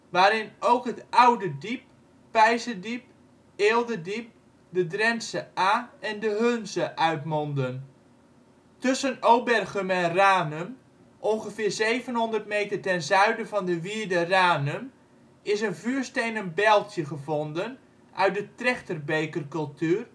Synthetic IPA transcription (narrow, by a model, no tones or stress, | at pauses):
ʋaːɾɪnowkɦətʔawdədip̚ː | ɛjzədip̚ | eːlˠdədip̚ | dədrɛnsəaːɛndəɦønzəʔœɥtmɔndən | tɵsənowbɛrχəmɛnraːnəm | ʔɔnχəvɪːɹzejvənɦɔndərtmejtərtɛnzœɥdəvɑndəʋiəɹdəraːnəm | ɪsənvyːɹstejnənbɛlˠtʰjəχəvɔndən | ʔœ̰ɥt̚dətrɛχtərbejkərkɵlˠtyːr